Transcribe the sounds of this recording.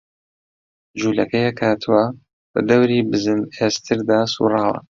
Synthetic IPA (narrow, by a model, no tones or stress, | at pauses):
d͡ʒuːlɐkɐjɐkʰaːt̪ʰɨwɐ | b̥ɐ̰d̪ɐwɾiːbɨzɨneːst̪ʰɨɾd̪aːsṵːrˤɑːwɐ̰